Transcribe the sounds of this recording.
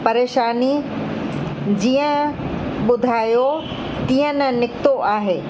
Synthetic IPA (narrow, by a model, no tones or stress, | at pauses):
pɐɾeːʃaːni | d͡ʑiːə̃ɓʊd̪ʱaːjo | t̪iːə̃nənɪkt̪oʔaːɦeː